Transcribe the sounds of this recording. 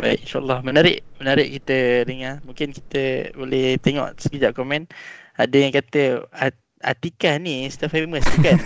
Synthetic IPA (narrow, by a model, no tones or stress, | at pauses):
bajʔinʃaʔa̰lːɑhmənaɾɪʔmənaɾɪʔkit̪ədəŋarmũŋkɪnki̥t̪əbolɛht̪eŋɔ̰ʔsəbid͡ʒaʔkomɛ̃nadəjaŋkat̪əa | a̰t̪ikahnist̪afeməsuka